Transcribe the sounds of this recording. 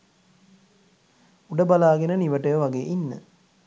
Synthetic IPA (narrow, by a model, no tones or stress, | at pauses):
uɖəbalaːɡenəniʋəʈəjəʋaɡeːʔinːə̰